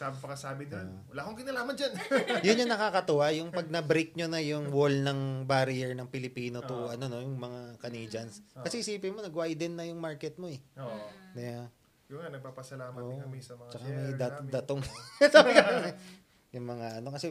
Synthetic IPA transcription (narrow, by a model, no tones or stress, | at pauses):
saːbɪpɐkɐsaːbɪd͡ʒan | wɐlaːkoŋkɪnɐlaːmɐnd͡ʒanjʊɲɲɐŋnɐkaːkɐt̪ʊʔajʊŋpɐɡ̚nɐbɾik̚ɲonɐjʊŋwolnɐŋbaɾɪɛɹnɐŋpɪlɪpiːno̞t̪ʊʔɐno̞no̞jʊŋmɐŋakɐniːd͡ʒɐnskɐsɛhɪsiːpɪmonɐɡwajd̪ɪnːɐjʊŋmaɹkɛt̪̚mo̞ɛod̪ɛja | jʊŋanɐɡ̚paːpɐsɐlaːmɐoːʔɐmisɐmɐt͡ʃɐkamɐjd̪at̪d̪ɐt̪oŋsaːbɪkɐnonɛ | jʊŋmɐŋaʔɐno̞kɐsɛ